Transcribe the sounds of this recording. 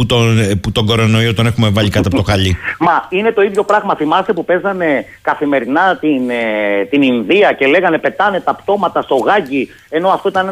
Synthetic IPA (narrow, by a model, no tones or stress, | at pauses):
ut̪onput̪o̞ɡo̞ɾo̞no̞iot̪one̞xume̞vɐʎikɐtp̪eɐpt̪oxɐʎimɐine̞t̪o̞iðʝo̞pɾɐɣmɐθimɐst̪e̞pupe̞zɐne̞ | kɐθime̞ɾinɐt̪int̪ininðiɐce̞le̞ɣɐne̞pe̞t̪ɐne̞t̪ɐpt̪o̞mɐt̪ɐst̪o̞ɣɐci | e̞no̞ɐft̪o̞it̪ɐn